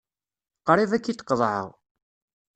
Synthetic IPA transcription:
qɾˤivækːit̪qːəðˤʕə̰ʁ

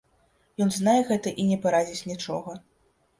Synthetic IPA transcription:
jɔnznajɛɣɛt̪ɐʔinʲɛpaɾad͡zʲit͡sʲnʲit͡ʂɔɣɐ

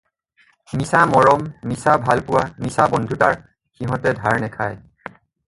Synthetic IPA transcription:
nisamɔɹɔmnisabʱalpʊwanisabɔndʱutaɹ | xiɦɔ̃tɛdʱaɹnɛkʰaj

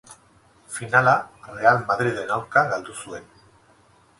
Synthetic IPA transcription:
finalare̞almaðɾið̞e̞nawɾkaɣald̪usue̞n

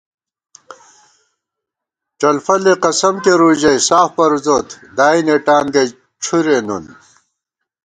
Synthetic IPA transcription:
ʈ͡ʂɐlfɐleqɐsɐmkeɾuːd͡ʑɐjsaːfpɐɾzoːt̪d̪aːineʈaːnɡɐj | ʈ͡ʂʰuɾenṵn

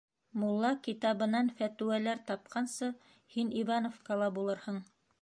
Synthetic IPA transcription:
mulˠːɑkit̪ɑβɤ̆nɑnfæt̪ʉ̆wælæɾt̪ɑp̚qʰɑnsɤ | hiniβɑnofkɑlˠɑbulˠɤɾhɤɴ

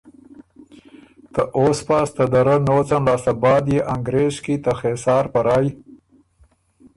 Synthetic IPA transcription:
t̪əʔoːspast̪əd̪ɐɾənoːt͡sanlɑːsabɑːd̪jeʔaŋɡɾeːʃkit̪axesɑːɾpaɾɑːj

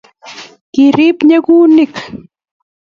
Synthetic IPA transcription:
kɪɾɪpɲakuːnɪk

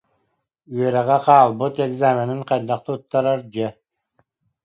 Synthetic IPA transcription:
yœɾɛʁɛqɑːlˠbɯt̪ɛɡzaːmʲɛniɴqɑjd̪aq̚t̪ɯut̪ːɑɾaɾd͡ʑɛ

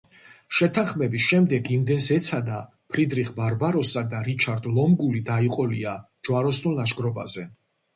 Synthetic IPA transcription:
ʃɛt̪ʰanχmɛbisʃɛmd̪ɛɡimd̪ɛnsɛt̪sʰad̪a | pʰɾid̪ɾiχbaɾbaɾɔsad̪aɾit͡ʃʰaɾd̪lˠɔmɡulid̪aiqʼɔlia | d͡ʒwaɾɔsnunlaʃɡɾɔba̰zɛ

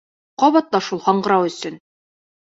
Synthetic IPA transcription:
qɒβɑt̪lɑʃulˠhɒɴɢɤ̆ɾɑwɵ̆sɵn

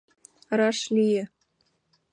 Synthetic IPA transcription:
rɑʂlʲijɘ̆

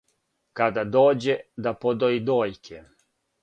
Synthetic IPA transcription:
kad̪ad̪oːd͡ʑed̪apod̪oid̪oːjkʰe

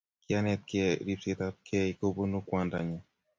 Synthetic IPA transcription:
kianɛt̪̚kɛɾipsit̪at̪̚kʰɛikobonukwandaɲa

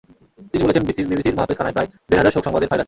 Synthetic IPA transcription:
t̪inibolet͡ɕʰenbisibibisiɾmoɦapːeskʰanajpɾaed̪eɾɦad͡ʑaɾʃokʃɔŋbad̪eɾfaeɾa

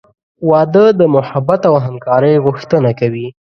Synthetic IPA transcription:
wɑd̪əd̪əmʊhabat̪awɦamkɑɾəjɣʊxt̪ənakawi

